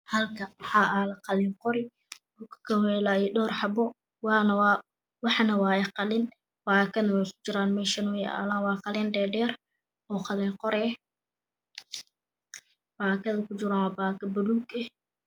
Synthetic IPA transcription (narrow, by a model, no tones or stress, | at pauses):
hɐlkʰɐwɑħɑːʔalɐqɑlɪnqɔɾɪ | dukʰɐ̥kʰɐmɛlaːidɔːrħɑbɔ | wnw | wɑħnɐwɑːjɛqɑlɪn | b̥aːkʰɐnɐwɛjkʰʊ̥t͡ʃɪɾaːnmɛːʃɐnʊjɛʔa̰ːlaːnwɑːqɑlɛnɖɛːɖɛːr | ɔːqɑlɛːŋqɔɾɛː | b̥aːkʰɐðɐkʰʊt͡ʃɪɾaːwaːbaːkʰɐbɐɽuːɡɛ